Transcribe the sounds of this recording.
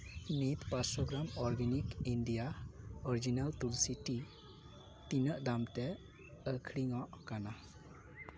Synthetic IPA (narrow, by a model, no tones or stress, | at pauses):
nitpasɔɡɾamɔɾɡenikindijaɔɾid͡ʒinaltulsiti | tinəʔdamte | əkʰɽiŋɔʔkana